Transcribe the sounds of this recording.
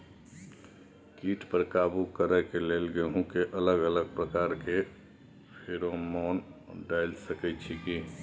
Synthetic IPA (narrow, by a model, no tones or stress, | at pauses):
kiʈpəɾkabukəɾəkelelɡeɦũkeʔələɡələɡ̚pɾəkaːɾke | pʰeɾomɔnɖaɪlsəkɛt͡ʃʰiki